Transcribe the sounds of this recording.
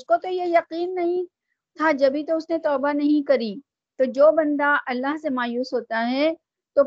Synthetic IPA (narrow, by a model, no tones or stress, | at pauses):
ʊskot̪ojejɐqiːnːɐɦĩ | t̪ʰad͡ʒɐbʱit̪oʊsnet̪ɔːbanɐɦĩkɐɾi | t̪oːd͡ʒoːbɐ̃nd̪aʔɐlːaɦsemaːjuːsɦoːt̪aɦɛ | t̪o